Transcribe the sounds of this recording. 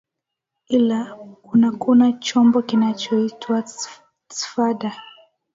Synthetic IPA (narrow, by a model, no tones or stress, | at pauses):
ilakunakunat͡ʃɔmbɔkinat͡ʃɔitʰwa | si̥faɗa